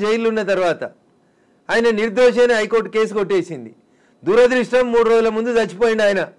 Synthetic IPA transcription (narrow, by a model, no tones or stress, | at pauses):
d͡ʒejilunːɐt̪ɐɾʋaːt̪ɐ | aːjɐnɐniɾd̪oːʂeːnɐɦɐjko̞ːɾʈke̞ːs̬uɡo̞ʈːe̞ːsind̪i | d̪uːɾɐd̪ɾiʂʈɐmːuːɽuɾoːd͡ʒulɐmund̪ud̪ɐt͡ʃːi̥poːjiɳɖaːjɐnɐ